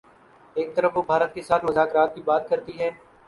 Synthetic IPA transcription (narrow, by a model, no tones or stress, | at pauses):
eːk̚t̪ɐɾəfʋobʱaːɾət̪̚kesaːt̪ʰmʊzaːkɾaːt̪̚kibaːt̪̚kɐɾt̪iɦɛː